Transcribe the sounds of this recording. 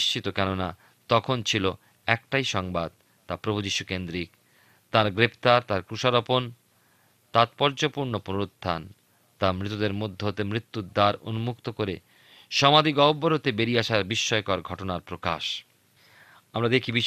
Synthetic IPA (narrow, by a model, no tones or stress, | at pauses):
ʃt͡ɕit̪okɛnona | t̪ɔkʰont͡ɕʰilo | ɛkʈajʃɔŋbad̪̚ | t̪apɾobʱud͡ʑiʃukend̪ɾik | t̪aɾɡɾept̪aɾt̪aɾkɾuʃaɾopon | t̪at̪pɔɾd͡ʑopuɾnoponoɾot̪ːan | t̪amɾit̪od̪eɾmod̪ʱːeɦot̪emɾit̪ːud̪aɾo̰numukt̪okoɾe | ʃɔmad̪ʱikɔbːoɾot̪ebeɾiaʃaɾbiʃːɔekɔaɾɡʱɔʈonaɾpɾokaʃ | amɾad̪ekʰibi